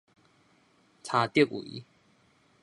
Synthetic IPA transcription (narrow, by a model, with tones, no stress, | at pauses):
t͡sʰa˧t̪je˥˨k̚ṵ˨ḭ˦